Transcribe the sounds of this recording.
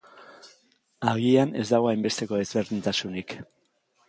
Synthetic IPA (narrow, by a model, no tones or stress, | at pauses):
aɣiane̞zd̪aɣo̞ajmbe̞st̪e̞ko̞e̞zβe̞ɾðint̪asunik